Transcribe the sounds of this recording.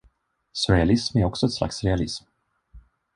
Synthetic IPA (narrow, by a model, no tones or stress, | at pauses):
sʊɾɛalɪsmæɾɔksɔɛt̪sla̰ksɾɛalɪ̰sm